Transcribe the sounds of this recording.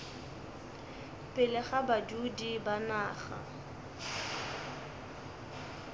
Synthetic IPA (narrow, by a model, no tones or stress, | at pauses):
pʼɪlɛχabadudibanaːχa̰